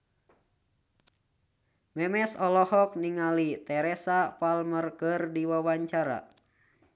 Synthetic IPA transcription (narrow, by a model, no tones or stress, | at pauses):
mɛmɛsɔlɔhɔk̚niŋalit̪ɛɾɛsapalmərkərdiwawaɲt͡ʃaɾa̰